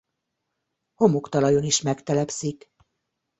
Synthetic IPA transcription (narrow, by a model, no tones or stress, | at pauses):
ho̞mukt̪ɒlɒjo̞niʃmɛkt̪ɛlɛpsik